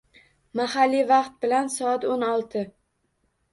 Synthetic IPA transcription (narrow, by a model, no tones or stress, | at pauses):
mahalːivɑqt̪̚bɪlansɒat̪onɒlˠt̪ʰɪ